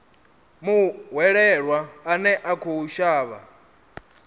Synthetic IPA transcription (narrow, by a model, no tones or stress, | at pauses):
muɦwɛɺɛɺwaːnɛʔakʰuuʃaːβa̰